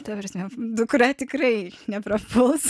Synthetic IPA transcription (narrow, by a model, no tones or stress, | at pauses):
t̪ɐpɾʲsʲmʲɛd̪ʊkʊɾʲɑːt̪ʲɪkrɐɪnʲɛpɾɐpʊlˠs